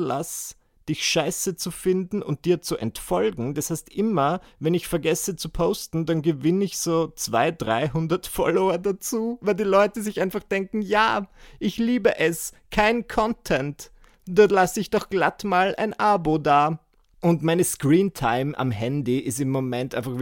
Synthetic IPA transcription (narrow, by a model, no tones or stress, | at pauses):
la̰s | d̥ɪçʃaɪsət͡sufɪndn̩ʔʊ̰nt̚d̥iːɐt͡suʔɛntfɔlɡŋ̩dashaɪstʔɪmɐvɛnɪçfɛɐɡɛsət͡supʰoʊstn̩danɡəvɪnəɪçz̥oːt͡sv̥a̰ɪdʁa̰ɪɦʊndɐtfɔloɐdat͡suːvaɪldiːlɔʏtəzɪçʔaɪnfaχd̥ɛŋkŋ̩jaːʔɪçliːbəʔɛs | kʰaɪnnkʰɔntʰɛnt | d̥ɔɐtlasəɪçd̥ɔχɡ̥latmaːlʔa̰ɪnʔabodaː | ʔʊntmaɪnəskʁiːntʰaɪmʔa̰mhɛndiʔɪstɪmːomɛntʔaɪnfaχ